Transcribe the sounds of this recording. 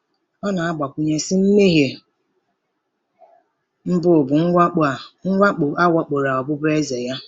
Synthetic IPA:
ɔ˦na˨a˦ɡ͡ba˨kʷu˦ɲe˦sɪ˦m̩˦me˦ɦje˨ | m̩˦bʊ˦˨bʊ˨ŋ̩ʷ˦˨ŋ̩ʷ˦a˦k͡pʊ˨a˦wɔ˦k͡po˨ɾa˨ɔ˨bʊ˦bʊ˦e˦ze˨ja˦

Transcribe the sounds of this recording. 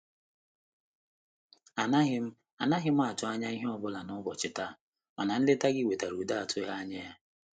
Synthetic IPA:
a˨na˦ɦɪ˦m̩˦ | a˨na˦ɦɪ˦m̩˦a˦˨tʊ˨˦a˦ɲa˦i˦ɦe˦ɔ˦bʊ˦la˨nʊ˦bɔ˨t͡ʃɪ˨ta˦˨ | ma̰˨na˨n̩˦lɪ˦ta˦ɡɪ˦˨we˨ta˨ɾu˨da˦a˨tʊ˦ɦa˦ɲe˦ja˦

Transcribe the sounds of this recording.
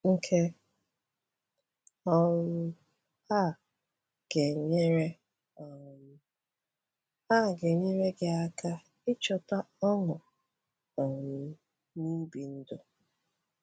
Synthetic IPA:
ŋ̩˦kʰe˦ | ɔ˦nʊ˦ | a˦˨ | ɡ̥e˨ɲe˦ɾe˦ | ɔ˨˦ | a˦˨ɡe˨ɲe˦ɾe˦ɡe˨a˦ka˦ | ɪ˦t͡ʃɔ˨ta˦ɔ˦ŋʊ˨ | ɔ˨n̩˨ | nu˦bi˨n̩˦do˨

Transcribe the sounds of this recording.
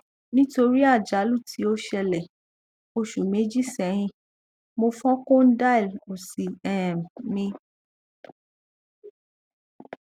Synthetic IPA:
nĩ˦to˧ɾi˦a˦˨d͡ʒa˨˦lu˦˨tʰi˨˦o˦ʃɛ˧lɛ˨ | o˧ʃu˨mẽ˨˦d͡ʒi˦˨sɛ˨˦ɾ̃ĩ˧ | mo˧fɔ̃˦kõ˦n̩˦da˦i˨lo˨si˨ɛ˨m˨nĩ˧

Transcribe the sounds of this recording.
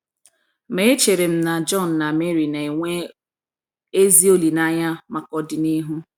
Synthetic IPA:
me˦e˦t͡ʃe˨ɾe˨m̩˦na˨d͡ʒɔ˦˨n̩ː˨a˨me˦ɾi˨na˨i˨ŋʷe˦ | e˦zi˦o˦li˨na˦ɲa˦ma˨kɔ˦dɪ˨ni˦ɦu˦

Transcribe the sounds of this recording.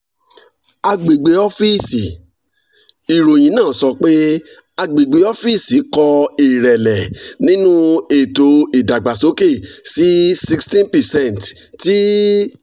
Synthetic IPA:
a˧ɡ͡be˨ɡ͡be˨˦ɔ˦fi˦˨si˨ | i˨ɾo˨j̃ĩ˨˦nãː˦˨sɔ˧k͡pe˦ | a˧ɡ͡be˨ɡ͡be˨˦ɔ˦fi˦˨si˨˦kɔ˧i˨ɾɛ˨lɛ˨nĩ˦nũ˦e˨to˨˦i˨da˨ɡ͡ba˨so˨˦ke˦˨si˨˦si˦kstĩ˦npɛ˨sɛ̃˦˨n˨t | ti˦

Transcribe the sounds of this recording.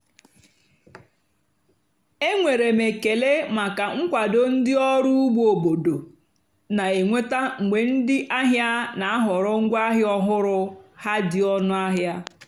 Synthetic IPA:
e˦ŋʷe˨ɾe˨me˨ke˨le˦ma˨ka˨ŋ̩˦kʷa˨do˨n̩˦dɪ˦ɔ˦ɾu˦u˦ɡ͡bo˨bo˨do˨ | na˨e˨ŋʷe˦ta˦ŋ̩˨ɡ͡be˨n̩˦dɪ˦ʔa˦ɦja˦na˨a˦ɦʊ˨ɾɔ˦ŋ̩˦ɡʷa˦ɦɪ˦ɔ˦ɦʊ˦ɾʊ˦ha˦dɪ˨ɔ˦nʊ˦a˦ɦja˦

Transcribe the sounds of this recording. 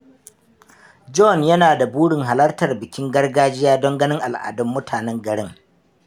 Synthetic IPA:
d͡ʒɔ˦njɐ˦naː˨da˨buː˦ɽɪ˨ŋɦa˨lɐ˦rtɐ˨rbɪ˨kʲɪ˦ŋɡɐ˦rɡaː˦d͡ʒɪ˦jaː˦dɔ˦ŋɡɐ˦nɪ˦ŋʔa˨lʔa̰ː˨dɔ˦mːʊ˦tʰaː˨nɛ˦ŋɡɐ˨ɽɪ˦ŋ

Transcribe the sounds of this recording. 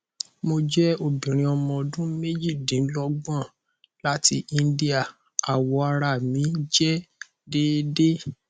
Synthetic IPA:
mo˧d͡ʒɛ˦o˦˨bĩ˨ɾ̃ĩ˧ɔ˧mɔ̃˧dũ˦me˦d͡ʒi˦˨dĩ˨n̩˦lɔ˦ɡ͡bã˦˨ | la˦ti˦ʔi˧n˦di˦a˦˨ | a˨wɔ˧a˧ɾa˧˨mĩ˨˦d͡ʒɛ˦ | de˦de˦

